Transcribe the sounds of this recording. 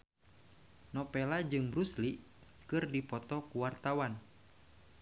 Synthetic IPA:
nɔpɛlad͡ʒɨŋbɾusli | kɨrdipɔt̪ɔkuwart̪awan

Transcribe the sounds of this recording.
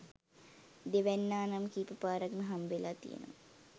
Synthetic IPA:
d̪eʋɛnːaːnamkiːpəpaːɾɐknɐɦamʋelat̪ḭjḛnə̰ʋa̰

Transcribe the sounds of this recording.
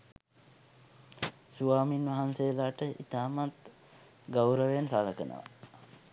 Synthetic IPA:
suaːminʋɐɦansejəlaːʈəʔit̪aːmat̪ | ɡawɾəʋejansaːləkənə̰ʋa̰

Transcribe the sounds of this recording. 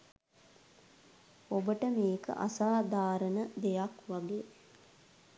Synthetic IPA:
obəʈəmiːkə̰ʔa̰saːd̪aːɾənəd̪ejakʋaɡeː

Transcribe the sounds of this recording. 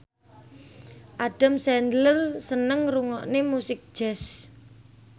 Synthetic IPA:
ʔaɖ̥a̤msɛnd̪ləlsənəŋruŋɔ̰ʔnemusɪk̚d̥ʒ̥ɛs

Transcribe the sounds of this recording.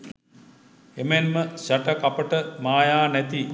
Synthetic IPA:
emenməɕaʈəkapəʈəmaːjaːnæt̪i

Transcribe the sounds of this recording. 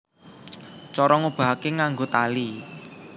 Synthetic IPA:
t͡ʃɔɾɔŋub̥a̤ɦakeŋaŋɡot̪ali

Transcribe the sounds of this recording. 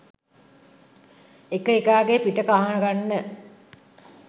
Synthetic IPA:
ekəekaːɡepiʈəkaɦanəɡanːə

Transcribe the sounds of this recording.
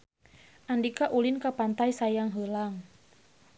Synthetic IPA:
ʔandikaʔulinkapant̪aisajaŋɦəlaŋ

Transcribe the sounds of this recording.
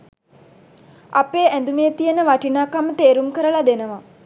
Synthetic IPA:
apeːʔænd̪umeːt̪ijənəʋaʈinaːkamət̪eːɾumkəɾəlad̪enəʋa

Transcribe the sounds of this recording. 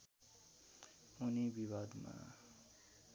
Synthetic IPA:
unibiβad̪ma̰

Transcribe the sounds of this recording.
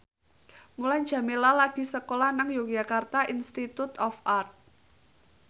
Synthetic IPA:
mulan̥d͡ʒ̥a̤melalaɡ̥i̤səkolanaŋjokʒ̥a̤kart̪aʔinst̪it̪ut̪ɔfʔart̪̚

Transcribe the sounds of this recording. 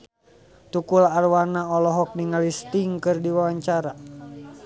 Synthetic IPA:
t̪ukulaːrwanaɔlɔɦɔk̚niŋalist̪iŋkɨrdiwawaɲt͡ʃaɾa

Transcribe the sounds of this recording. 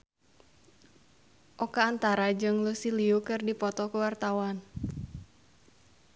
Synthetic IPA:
ʔɔkaːnt̪aɾad͡ʒɨŋlusiliukɨrdipɔt̪ɔkəwart̪awan

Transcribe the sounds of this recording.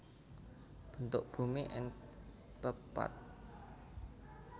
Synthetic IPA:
b̥ə̤nt̪ʊʔb̥ṳmiʔɪ̰ŋ | pəpa̰t̪̚

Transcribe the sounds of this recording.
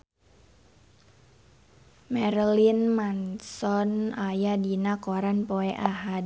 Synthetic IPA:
mɛɾlinmansɔnajadinakoɾanpoɛʔaɦad

